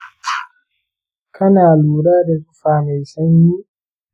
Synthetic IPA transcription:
kʰa˦naː˨luːɾaː˦dɛkufaː˨mɛ˨jsa˦ɲːi˦

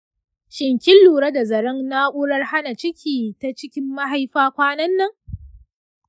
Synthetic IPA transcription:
ʃɪ˨ŋkʲɪ˦lːuː˨ɽɐ˦da˨zɐ˨ɾɐ˦ŋna˦ʔʷʊ˦ɽɐ˦rha˦na˨t͡ʃɪ˦kʲʰiː˨ta˦t͡ʃɪ˦kʲɪ˦mːa˦ɦa˨˦jɸaː˦kʷaː˦nɐ˦nːɐ˦ŋ

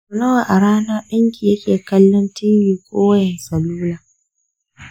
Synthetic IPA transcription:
ʊ˨nɐ˦wa˨ʔa˨ɽaː˦na˦ɗɪ˦ŋkʲi˨jɐ˦kʲʼeː˨kɐ˦lːɔ˦ntɪ˦ɲjiː˨kʷʼoː˦wɐ˦jɛ˨sɐ˨luː˦laː˨

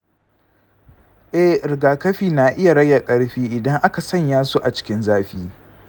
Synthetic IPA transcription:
ʔɛ˦hɾɪ˨ɡaː˨kɐ˦ɸiː˦na˨ʔɪ˦ja˨ɽɐ˦jːa˨kʼɐ˦ɽɸiː˦ʔɪ˨dɐ˦ŋʔa˦ka˨sɐ˦ɲjaː˦su˦ʔa˨t͡ʃɪ̥˦kʲɪ˦nzaː˦ɸiː˦

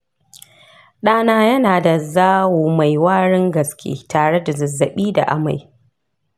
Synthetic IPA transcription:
ɗaː˦naː˦jɐ˦naː˨da˨zaː˦wuː˨ma˨jwaː˦ɽɪ˦ŋɡɐ˨skʲḛː˦taː˨ɽe˦da˨zɐ˨zːɐ˨ɓiː˦da̰˨ʔa̰˦ma̰˨j

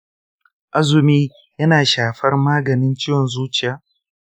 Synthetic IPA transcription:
ʔa˦zʊ˨miː˦ | jɐ˦naː˨ʃaː˨ɸɐ˦rmaː˦ɡɐ˨nɪ˦nt͡ʃɪ˦jwɔ˨nzuː˦t͡ʃɪ˨jaː˨

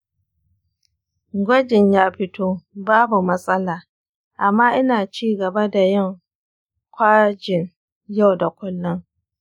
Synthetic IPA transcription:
ɡʷɐ˦d͡ʒɪ˨ɲjaː˦ɸɪ˦toː˦baː˦bu˨mɐ˦sʼɐ˦laː˨ | ʔa˨mːaː˦ʔɪ˦naː˨t͡ʃiː˦ɡɐ˨ba˦da˨jɪ˦˨ŋ | kʷaː˦d͡ʒɪ˨n | ja˦wda˨kʷʊ˦lːɔ˦ŋ

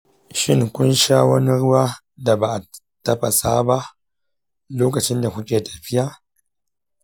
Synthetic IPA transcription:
ʃɪ˦ŋkʷʊ˦nʃaː˦wɐ˦ni˦ɽʊ˦waː˦ | da˨ba˨ʔa˨ | tɐ˦ɸa˨saː˦ba˦ | loː˦kɐ˨t͡ʃɪ˦nda˨kʷʊ˦kʲʼeː˨tḁ˨ɸɪ˦ja˦

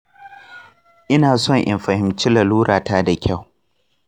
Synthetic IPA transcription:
ʔɪ˦naː˨sɔ˦ŋʔɪ̰˨mɸɐ˨hɪ˨mt͡ʃi˦la˨luː˦ɾaː˨taː˦da˨kʲʰa˦˨w

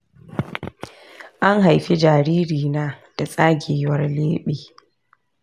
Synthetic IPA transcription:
ʔa˦ŋɦa˨jɸi˦d͡ʒaː˨ɾiː˦ɾiː˨naː˦d̥a˨sʼaː˦ɡʲeː˨wɐ˦rleː˦ɓeː˨

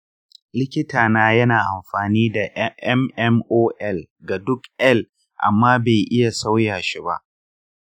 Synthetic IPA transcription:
lɪ˦kʲɪ˦taː˨naː˦jɐ˦naː˨ʔa˨mɸaː˨niː˦da˨ʔʔɛ˦mʔɛ˦mʔoː˦ʔɛ˦˨lɡa˨dʊ˦kʔɛ˦˨l | ʔa̰˨mːaː˦be˨jʔɪ˦ja˨sa˦wjaː˨ʃi˦ba̰˦ʔ

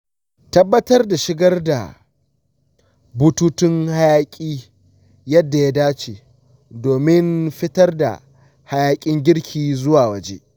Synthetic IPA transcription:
tɐ˦bːɐ˦tɐ˦rda˨ʃɪ˦ɡɐ˦rda̰˨ | bʊ˦tuː˦tɪ˦ŋha˦jaː˦kʲʼiː˦ | jɐ˦dːa˨ja˦daː˦t͡ʃeː˨ | doː˨mɪ˦nɸɪ˦tɐ˦rda̰˨ | ha˦jaː˦kʲʼɪ˦ŋɡʲɪ˦ɽkʲʰiː˨zʊ˦waː˨wɐ˨d͡ʒḛː˦ʔ

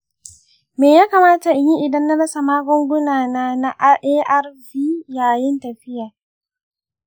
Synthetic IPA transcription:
meː˨jaː˦kaː˨maː˦ta˨ʔji˦ʔɪ˨dɐ˦nːa˦ɽɐ˦sa˨maː˦ɡʷʊ˦ŋɡʷʊ˦naː˨naː˦na˦ʔʔeː˦ʔɐ˦rviː˦jaː˨jɪ˦ntɐ˨ɸɪ˦ja˨

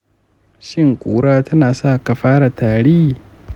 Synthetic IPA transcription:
ʃɪ˦ŋkʷʼuː˦ɽaː˦tɐ˦naː˨sa˦˨ka˨ɸaː˦ɽa˨tʰaː˨ɽiː˦

